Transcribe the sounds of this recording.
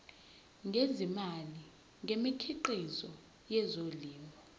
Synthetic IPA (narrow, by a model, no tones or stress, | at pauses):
ŋʱezimali | ŋʱemikʰiǃizɔ | jɛzoliːmʱɔ